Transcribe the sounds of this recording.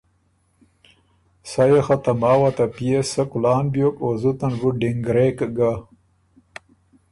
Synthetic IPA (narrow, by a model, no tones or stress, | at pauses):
sajexat̪amaːwat̪apijesɐkulaːnbjokoːzut̪ɐnbuɖiŋɡɾeːkɡa